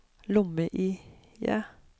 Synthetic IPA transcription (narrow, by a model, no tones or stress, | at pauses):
lʊməʔiːjæ̰ː